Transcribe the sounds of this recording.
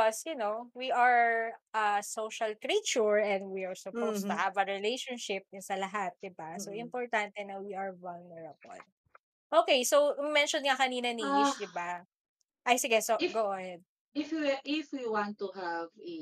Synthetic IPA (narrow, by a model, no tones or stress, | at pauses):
ɔsjʊnowiʔɐɹʔɐsoʃɐlkɹit͡ʃʊɹɛ̃nd̪wiɐɹsʊpowst̪uhɐvɐɹɪlejʃɔnʃɪp̚ɪnsɐlɐɦat̪̚d̪ɪbasoʔɪmpɔɹt̪ant̪ɛnɐwiʔɐɹvɐlnɛɹɐbɔ̰n | ʔoːkejsowmɛnʃɔnŋɐkɐniːnɐniɪʃd̪ɪba | ʔajsɪɡɛsoɡoʔonn | ɪfwiʔɪfwiwãnt̪uhavɛ